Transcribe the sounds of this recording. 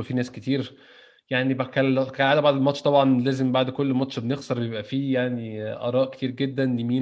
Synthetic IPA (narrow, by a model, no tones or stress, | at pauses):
efinæːsket̪iːɾ | jaʕnibækælkælʕaːlæbaʕd̪elmɑt̪ʃt̪ˤɑbʕɑnlæːzembaʕd̪kolːmɑt̪ʃbenexsɑɾˤbejebʔæfiːjaʕniʔɑ̰ɾˤɑːʔket̪iːɾɡed̪ːænlimiː